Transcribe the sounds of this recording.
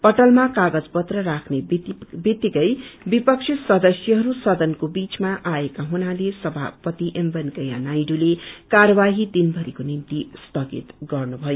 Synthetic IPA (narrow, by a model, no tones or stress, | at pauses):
pʌʈʌlmakaɡʌd͡zpʌt̪rʌrakʰnebit̪ːikʌjbipʌk̚sʰisʌd̪ʌsjʌɦʌɾusʌd̪ʌnkobit͡smaʔaekaɦunalesʌbʱa̰pʌt̪iʔembʌnkʌja̰najɖulekaɾʌbaɦid̪inbʱʌɾikonint̪isst̪ʌɡḭt̪ɡʌrnubʱʌjo